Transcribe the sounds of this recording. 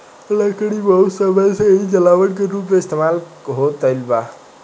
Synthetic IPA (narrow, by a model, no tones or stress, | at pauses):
ləkəɽibəɦusəbʱəjseid͡ʒəlaʋəʈkeɾuːp̬meɪst̪emal | ɦot̪əlba